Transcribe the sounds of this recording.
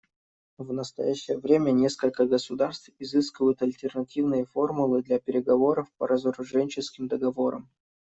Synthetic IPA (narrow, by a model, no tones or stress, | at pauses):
vnəst̪ɐ̰jæɕːɪjəvɾʲemʲənʲe̞skəlʲkəɡəsʊd̪arst̪fɪzɨskʲɪvəjʊt̪ɐlʲtʲɪrnɐtʲivnɨjəfo̞rmʊlˠɨd̪lʲapʲɪɾʲɪɡɐvo̞ɾəfpəɾəzəɾʊʐɛnʲt͡ɕɪskʲɪmd̪əɡɐvo̞ɾə̰m